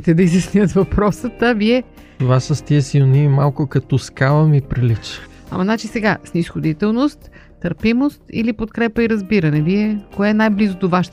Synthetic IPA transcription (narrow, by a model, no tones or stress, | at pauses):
t̪ɛd̪ɐizɐsniət̪vɐpɾɔsət̪əviɛ | t̪ovasəst̪iɛsilˠnimalˠkʊkɐt̪ɔskavˠəmipɾilit͡ʃ | ɐ̰mɐnat͡ʃisɛɡasnisxod̪it̪ɛlˠnost̪ː | əɾpimost̪ḭlipot̪kɾɛpəiɾɐzbiɾɐnɛviɛkoɛːnajblizot̪ovaʃt̪